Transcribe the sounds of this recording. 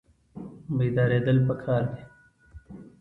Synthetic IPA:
meːd̪ɑːɾeːd̪əlpəkʰaːɾd̪i

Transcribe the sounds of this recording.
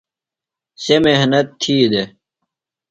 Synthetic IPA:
semehnɐt̪ʰːiːd̪e

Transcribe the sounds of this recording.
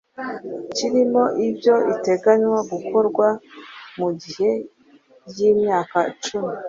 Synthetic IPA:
ciɾimo̞ʔibjoite̞ɡaɲwaɡukʰo̞ɾɡwamuɟihe̞ | jimɲaːkat͡ʃumi

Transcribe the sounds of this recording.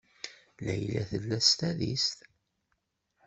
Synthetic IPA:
læjlæθəlːæst̪æðḭst̪

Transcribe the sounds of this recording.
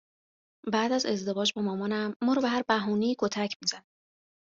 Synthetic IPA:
bæːd̪æze̞zd̪e̞vɒːd͡ʒbɒmɒːmɒnæmːɒːɾɔːbeɦæɾbæɦuːneiːkʰo̞t̪ʰæcʰmizæni

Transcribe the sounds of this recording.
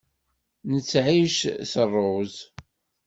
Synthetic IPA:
nət͡sːʕiʃsərˤːoz

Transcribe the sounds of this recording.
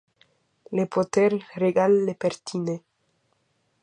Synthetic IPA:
lepot̪ɛɾreɡalːepeɾt̪ʰine

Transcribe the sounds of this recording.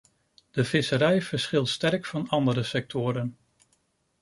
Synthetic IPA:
d̥əv̥ɪsəɾɛjv̥əɹsχɪlˠtstɛɹkfɑnɑndəɾəsɛk̚tʊːɾən

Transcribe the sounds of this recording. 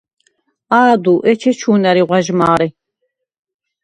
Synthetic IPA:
aːd̪uʔɛt͡ʃʰɛt͡ʃʰuːnaɾiʁʷwaʒmaːɾi

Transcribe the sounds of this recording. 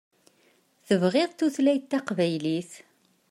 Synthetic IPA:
θəvʁɪðˤt̪ːuθlæjt̪ːæqvæjliθ

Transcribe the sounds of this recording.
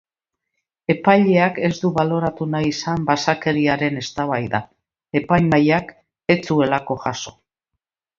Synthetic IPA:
e̞pajʎe̞ake̞zd̪uβalo̞ɾat̪unajisambasake̞ɾiaɾe̞ne̞st̪aβajða | e̞pajmajak | e̞t͡sue̞lako̞ʝaso̞̥

